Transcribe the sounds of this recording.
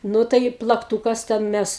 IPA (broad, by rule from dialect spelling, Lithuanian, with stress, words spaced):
ˈnʊ tɐɪ plˠɐkˈtuːkɐs ˈtʲɛn ˈmʲɛs